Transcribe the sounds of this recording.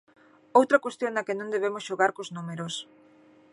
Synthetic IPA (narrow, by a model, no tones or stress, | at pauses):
owt̪ɾɐkwest̪jonɐkɪnõnd̪eβ̞emosʃoɣaɾkoznumeɾos